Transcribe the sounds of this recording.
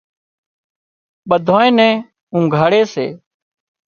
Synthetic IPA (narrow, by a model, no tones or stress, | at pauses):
ɓəd̪ʱoːẽːnɛ̃ː | ũːɡʱaːɽeːsḛː